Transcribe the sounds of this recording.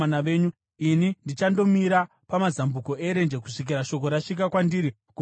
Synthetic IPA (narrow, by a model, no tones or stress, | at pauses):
anaʋe̞ːɲu | inindit͡ʃando̞miɾa | pamazambuko̞e̞ɾend͡ʒeku̥ʂik̬iɾaʃo̞ko̞ɾaʂik̬akwandiɾi | ku